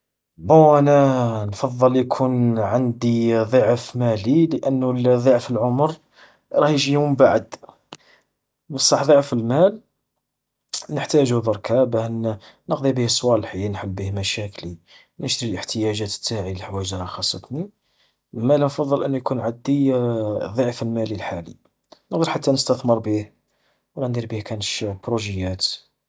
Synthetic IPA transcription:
bæwænænfɑðˤːəljkʰunʕənd̪iðˤɑʕəfmæliləʔənːuðˤɑʕfəlʕʊmɾ | ɾˤɑhjʒiumbaʕəd̪ | məsˤɑħðˤɑʕfəlmæl | nəħt̪æʒub̪ʊɾˤkʰæbahnnəqd̪ˤibihsˤːwɑlħəjːinħəbbihmæʃækli | nəʃd̪ɾilʔəħt̪əjæʒæt̪ə̥t̪ːaʕiləlħwæjʒɾɑxɑsˤːɑt̪ni | əlmælnfɑd̪ˤːəlʔənːujkunʕad̪ːi | ðˤɑʕfəlmælilħalḭ | nəkɡd̪əɾħat̪ːænəst̪əθməɾˤbih | wlænd̪ˤiɾbihkænəʃpɾuʒəjːæt̪

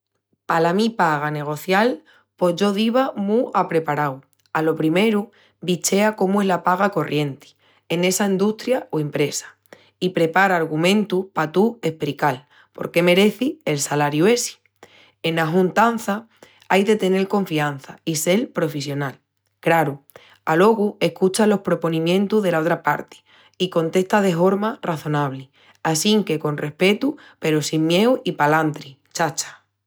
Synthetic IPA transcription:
palamipaɣ̞ane̞ɣ̞o̞θjal | po̞ʝo̞ðiβ̞amuapɾe̞paɾaw | alo̞pɾime̞ɾu | bit͡ʃe̞ako̞mue̞zlapaɣ̞ako̞rʔje̞nt̪i̥ | e̞ne̞saind̪ust̪ɾjaoempɾe̞sḁ | ipɾe̞paɾaɾɣumẽ̞nt̪upat̪ue̞hpɾikal | po̞̰ɾke̞me̞ɾe̞θielsalaɾjue̞si̥ | e̞naɦunt̪an̟θa | ajðe̞t̪e̞ne̞lko̞ɱfian̟θa̰ise̞lpɾo̞fesjo̞nal | kɾaɾu | alo̞ɣue̞hkut͡ʃalo̞hpɾo̞po̞nĩmjẽ̞nt̪uɦðe̞lao̞t̪ɾapa̰ɾt̪i̥ | iko̞nt̪e̞st̪að̞e̞fo̞ɾmaraθo̞naβli | asiŋke̞ko̞nre̞hpe̞t̪u | pe̞ɾosimmje̞wipalant̪ɾi | t͡ʃat͡ʃḁ

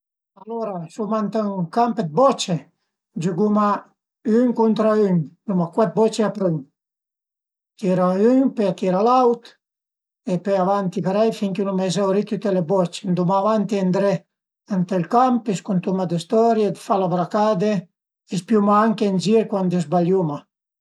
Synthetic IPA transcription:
aloɾasumant̪eŋkamped̪̚bɔt͡ʃe | d͡ʒuɡuma | yŋkunt̪ɾaynnumakwat̪̚bɔt͡ʃeapɾɔn | t̪iɾayŋpeat̪iɾalawt̪ | epeavant̪ipeɾajfiŋkinumɛzɛwɾit̪ut̪elebɔt͡ʃend̪umaːvant̪iend̪ɾɛ | ant̪elkampeskunt̪umad̪est̪ɔɾjad̪efalabɾakad̪e | espjumaaŋkend͡ʒiɾkwand̪ezbaljuma

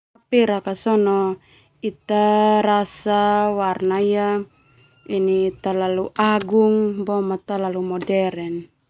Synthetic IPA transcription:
apiɾakasɔnɔ | it̪aɾasawarnaija | iniːt̪alaluʔaɡuŋbɔmat̪alalumɔdɛɾɛn

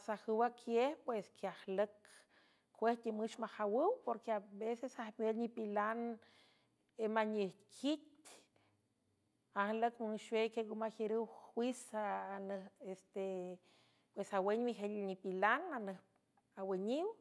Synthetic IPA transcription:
asahɨwakʰjehpweskʰeahlək | kːʷeht̪ʲimɨt͡ʃmahawɨwpoɾkeabesesahmjelnipilan | emaɲɨh | kʰit̪ | ahləkmiŋʃwejkeɡumahiɾɨwhwisaːnəhest̪e | pwesawenmiɦelnipilananəh | aweɲiw

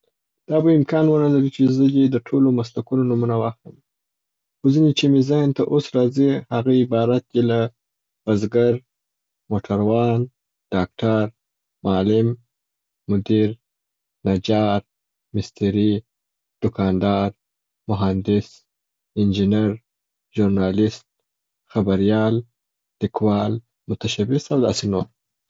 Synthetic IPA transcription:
d̪̥ɑbaɪmkɑnwənalaɾit͡ʃezəjed̪əʈʰolomaslakunonumunawɑxləm | xozinet͡ʃimizɑjnt̪aʔosɾɑzihaɣaɪbɑɾat̪̚jela | b̥azɡaɾ | moʈʰaɾwɑn | ɖ̥ɑk̚ʈʰaɾ | mɑlɪmː | ʊd̪iɾ | nad͡ʒɑɾ | mɪst̪iɾi | d̪̥ʊkʰɑnd̪ɑɾ | mʊɦand̪ɪs | ɪnd͡ʒinaɾ | ʒuɾnɑlɪst̪̚ | xabaɾijɑːl | d̥ɪkwɑl | mʊt̪aʃawɪsawd̪ɑ̰senoɾ

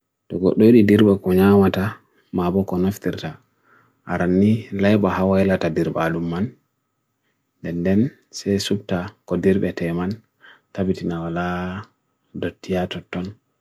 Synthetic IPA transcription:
tɔɡɔɗɔiɗidiɾɓɛkɔɲamata | mabɔkɔnaftiɾta | ʔːɾanːilajɓahawajlatadiɾɓalumːan | dɛndɛn | sɛjsub̚takɔdiɾɓɛtɛman | tabitinawala | dotːijatɔtːɔn

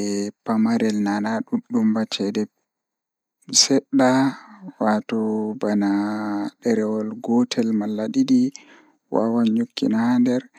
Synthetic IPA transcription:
pamaɾɛlnanaɗuɗːumbat͡ʃɛdɛ | sɛɗːawatɔbanaɗɛɾɛwɔlɡɔtʰɛlmalːaɗidi | wa̰wanɲukːḭnaandɛɾ

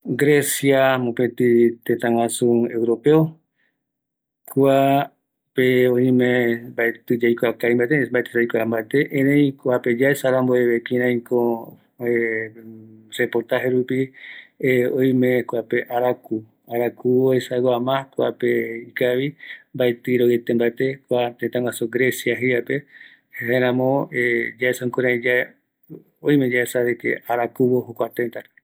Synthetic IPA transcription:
ɡɾe̞sjamõpet̪it̪ẽt̪ãw̃ãsũe̞wɾopeo | kua | peõĩmẽmbaet̪ɨd͡ʒajkʷakaimbaet̪embaet̪ɨsajkʷambaet̪eʔẽnẽj̃kuape̞d͡ʒaesaɾãmboeβekiɾ̃ãĩkõ | e | repoɾt̪aɦeɾupi | oj̃mẽkʷapeʔaɾaku | aɾakuoesaɡʷamãkʷua̰peikaβimbaet̪ɨɾojet̪ẽmbaet̪e̞kʷat̪et̪ãŋɡasoɡɾe̞sjaɦiape̞ | heheɾ̃ãmõed͡ʒaesaŋkuɾãj̃d͡ʒa | ojmed͡ʒaesaɾekḛaɾakuβoɦokʷat̪ent̪ape

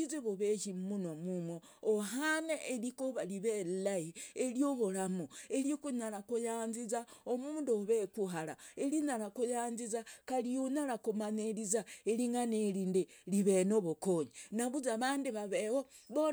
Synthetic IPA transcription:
izeβoβeʃimmunomumwoː | ɦaneʔelikoβaliβellaielioβulamueljokuɲaɾakujaːnzizaomuːndoβekuɦalaelinalakujaːnzizakalijunaɾakumaneɾizaeliŋɡanelindeliβenoβokoɲinaβuzaβaːndiβaβeho | βo

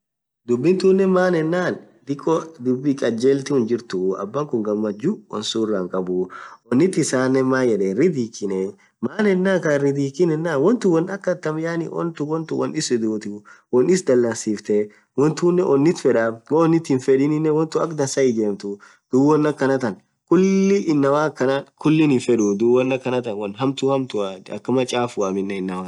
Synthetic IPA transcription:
d̪ʊbːɪnt̪uːnːɛmaːnɛnːaːn | d̪ɪkʼːɔd̪ʊbːɪkʼɐd͡ʒeːlt̪ɪʊnd͡ʒɪɾt̪ʊɐ̰bːɐŋkʊŋɡɐmːɐd͡ʒʊwɔ̰nsurːaːŋkʼɐbʊɔnːɪt̪ɪsaːnːɛmaːjɛᶑeːrɪd̪iːkɪnɛ | maːnɛnːaːkɐrɪd̪iːkɪnɛnːaːnwɔnt̪ʊwɔnɐkːɐt̪ːɐmjanɪwʔɔ̰nt̪ʊwɔnt̪ʊwɔnɪsɪd̪uːt̪ɪwɔnɪsd̪ɐlːɐnsiːft̪ɛ | wɔnt̪unːɛʔɔnːɪt̪fɛᶑɐwɔːnːɪt̪ɪnfɛᶑɪnɪnːɛwɔnt̪ʊɐkd̪ɐnsɐɪd̪eːmt̪ʊ | d̪̥uːwɔnːɐkːɐnɐt̪ɐn | kʊlːɪʔɪnːɐwaːkːɐnɐkʊlːɪnɪfɛᶑʊd̪uːwɔnːɐkːɐnɐt̪ɐnwɔnɦɐmt̪ʊhɐmt̪ʊaɐ̰kːɐmɐt͡ʃʼaːfʊamɪnːɛɪnːɐwa

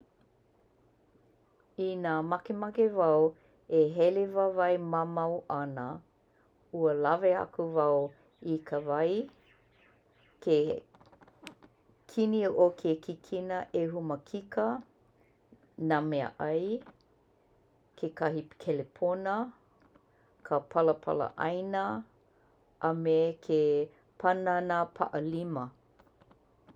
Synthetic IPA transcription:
inaːmɐkemɐkevɐw | eɦɛlevavɐjmamɐwʔɐnə | uəlɐveɐ̰kuvɐw | ikʰɐvɐj | kʰe | kʰinioʔokʰekʰikʰinɐʔeɦuməkʰikə | nameə̰ʔɐj | kʰekɐɦikʰelepʰonə | kʰəpʰɐləpʰɐ̰lə̰ʔɐ̰jnə | ʔɐmekʰe | pʰɐnanapʰa̰ʔəlimə

